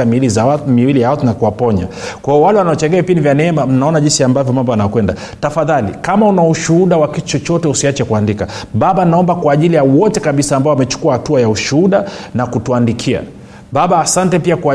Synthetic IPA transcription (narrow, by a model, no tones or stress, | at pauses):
amilizaamiwilijaatunakuwapɔɲa̰kwajɔwalɛwanaɔt͡ʃɛŋɡɛavipindivjanɛɛmam̩naɔnaʄinsiambavjɔmambɔanakwɛnda | tafaðalḭkamaunauʃuuɗawakitu̥t͡ʃɔt͡ʃɔtɛusiat͡ʃɛkuandikaɓaɓanaɔmbakwaːʄilijawɔtɛkaɓisaːmbaɔwamɛt͡ʃu̥kuahatuajauʃuuɗanakutuandikʰia̰ | ɓaɓaːsantɛpiakwa